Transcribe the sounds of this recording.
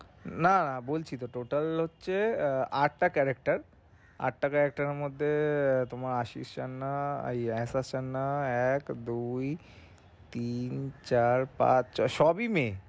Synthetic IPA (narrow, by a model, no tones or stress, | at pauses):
nanabolt͡ɕʰit̪oʈoʈalɦotːɕʰeaʈːakɛɾek̚ʈaɾ | a̰ʈːakɛɾek̚ʈaɾeɾmod̪ʱːet̪omaɾaʃḭst͡ɕanːaḛjɛsast͡ɕʰanːaɛkd̪uj | t̪int͡ɕaɾpa̰t͡ɕʃɔbime